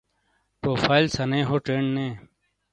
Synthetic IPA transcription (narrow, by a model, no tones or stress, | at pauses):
poːfʰaːilsɐnẽːɦoːʈeːɳɖnẽː